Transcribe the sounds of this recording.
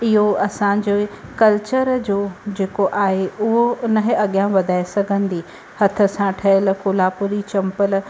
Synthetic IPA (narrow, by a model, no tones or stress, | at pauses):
ɪɦoɐsãd͡ʑoːkɐlt͡ɕəɾd͡ʑoːd͡ʑeːkoʔaːɦeʔʊɦoʊnəɦɐɠjãʋɐd̪ʱaːesɐɡʱə̃nd̪iː | hɐt̪ʰə̆sãʈʰɐəlkʊːlaːpʊɾit͡ɕɐ̃mpəl